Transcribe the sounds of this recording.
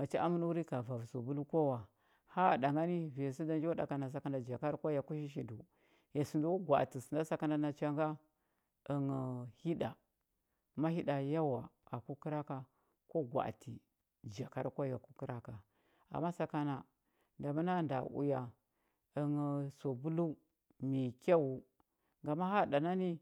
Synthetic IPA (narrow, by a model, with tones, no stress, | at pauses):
ma˨t͡ʃa˦ʔa˦mu˦n˦wu˦ɾi˦ka˨va˨vso˨bu˦lu˦ko˦wa˨ | ha˦˨da˨ŋɡa˦ni˦vi˨a˨s̬i˦da˦nd͡ʒo˦da̰˨ka˨na˨s̬a˨ka˦na˨d͡ʒa˨ka˦ɾkʷa˦ja˨ku˦ʃ̬i˦ʃ̬i˨du˨ | ja˨su˨nda˦u˦ɡʷa̰˨ti˨si˨nda˦sa˦ka˦na˦na˨t͡ʃa˦ŋɡa˦ | ə˨ŋ˨hi˦da˨ | ma˦hi˦da˨ja˦wa˨a˨ku˦ki˦ɾa˦ka˨ | ko˦ɡwʷa̰˨ti˨ | d͡ʒa˨ka˦ɾkʷa˦ja˨ku˦ki˦ɾa˦ka˨ | a̰˨mːa˦sa˨ka˦na˨ | nda˨ma˦na˦˨nda̰˨ṵ˦ja˨ | ə˨ŋ˨so˨bu˦lu˦ | mi˨kʲa˦wu˨˦ | ŋɡa˨ma˦ha˦˨da˨na˦ni˦